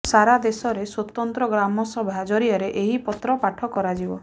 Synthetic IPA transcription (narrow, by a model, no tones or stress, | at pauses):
saɾad̪esɔɾeswɔt̪ɔnt̪ɾɔɡɾamɔsɔbʱad͡ʒɔɾiaɾeʔeɦipɔt̪ɾɔpaʈʰɔkɔɾad͡ʒibɔ